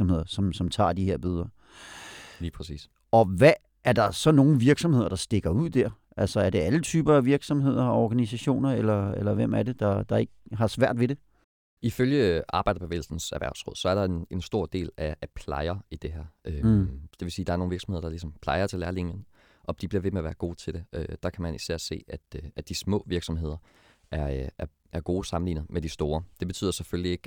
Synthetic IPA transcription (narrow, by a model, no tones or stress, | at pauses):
ɒmhe̝ð̰ˠɐsɒ̽msɒ̽mt͡sʰɑ̰̈ːd̥iheɐ̰b̥yðˠɐ | liːpʰɛsḭːs | ɒ̽ʋæː | ɐd̥ɑ̈sɒ̽no̝ːn̩ʋiɐɡ̥sɒ̽mhe̝ð̞̰ˠɐd̥ɑ̈sd̥e̝ɡ̥ɐuð̞̰ˠd̥æɐ̰ | ʔælsɒæɐd̥e̝ælət͡sʰyːb̥ɐæʋiɐɡ̥sɒ̽mɦe̝ð̞̰ˠɐɒɡ̥ænisæɕo̝̰ːnɐelɐelɐʋem̰æɐɾe̝d̥ɑ̈d̥ɑ̈e̝ɡ̥əɦɑ̈sʋæɐ̰d̥ʋe̝ɾe̝ | iføljəʔɑ̈ːb̥ɑ̈ɪd̥ɐpʰeʋḛːl̩sn̩sæɐʋæɐ̰ʊsʁɔ̽ð̰ˠsɒ̽æɐɾ̥ɑ̈ene̝nsd̥o̝ɐ̰d̥e̝̰ːlææpʰlɑ̈ɪɐid̥e̝ɦæɐ̰ʔød̥e̝ʋe̝siːd̥ɑæɐnoːnʋiɐ̥sɒmhe̝ðˠɐd̥ɑ̈lisɒ̽mpʰl̥ɑ̈ɪɐt͡sʰe̝læɐliŋjən | ʔɒ̽d̥ib̥liɐʋe̝meæʋæːɐɡ̥o̝ːt͡sʰe̝ld̥eʔød̥ɑ̈kʰæmænisæɐ̰se̝̰ːæd̥æd̥ismɔ̰̽ːʋiɐɡ̥sɒ̽mɦe̝ð̞̰ˠɐ | ʔæɐæɐ | ʔæɐɡ̥o̝ːsɑ̈mn̩lḭːn̩ˠmʔed̥isd̥o̝ːɐd̥e̝b̥e̝t͡sʰy̰ðˠsefølie̝ɡ̥